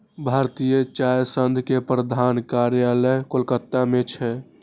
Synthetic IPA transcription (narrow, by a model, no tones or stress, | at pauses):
bʱaɾt̪ijət͡ʃajsənd̪ʱkepɾəd̪ʱankaɾjələkolkət̪ːamet͡ʃʰɛ